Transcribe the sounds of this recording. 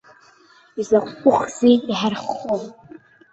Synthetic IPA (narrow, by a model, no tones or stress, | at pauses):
izaqʷʼkʷʼʊχziiħarχːo